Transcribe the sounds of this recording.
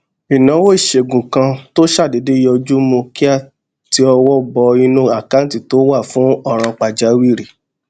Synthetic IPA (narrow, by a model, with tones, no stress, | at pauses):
i˨nã˨˦wo˦i˦˨ʃe˨ɡũ˨kã˧to˦ʃa˦˨de˨˦de˦jɔ˧d͡ʒu˦mõ˧ki˦a˦˨ | ti˧ɔ˧wɔ˦bɔ˧i˧nũ˦a˦˨kã˦ti˦˨to˦wa˦˨fũ˨˦ɔ˦˨ɾ̃ã˧k͡pa˨d͡ʒa˨˦wi˦˨ɾi˨